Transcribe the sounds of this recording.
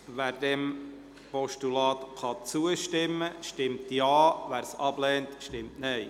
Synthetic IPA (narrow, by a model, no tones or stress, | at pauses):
ʋæːɾdɛm | pɔʃtulɑːt̪χɑt͡suəʃtɪmːəʃtɪmtjɑːʋæːɾsɑblɛːntʃtɪmtnɛj